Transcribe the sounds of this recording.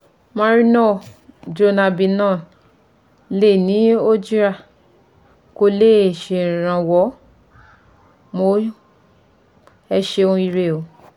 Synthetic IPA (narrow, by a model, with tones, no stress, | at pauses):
mã˧ɾi˦nɔ̃˦˨d͡ʒo˧na˧bi˧nã˦˨ | le˦˨nĩ˨˦o˦d͡ʒi˦ɾa˦˨ | ko˧le˦˨ʃẽ˨ɾ̃ã˧˨wɔ˨˦ | mo˧˨ | ɛ˧ʃe˧o˧ũ˧i˧ɾe˧˨o˨